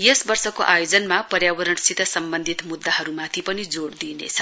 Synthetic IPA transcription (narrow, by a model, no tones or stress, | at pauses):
jesbʌrsʌkoʔajod͡zʌnmapʌrjabʌɾʌɳsit̪ʌsʌmbʌnd̪ʱit̪mud̪ːaɦʌɾumat̪ʰipʌnid͡zoɽd̪inḛt͡sʰʌ